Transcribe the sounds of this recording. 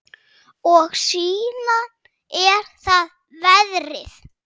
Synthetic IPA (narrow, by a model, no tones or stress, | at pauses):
ɔɣsiːnan | ɛɾ̥θað | vɛðrɪθ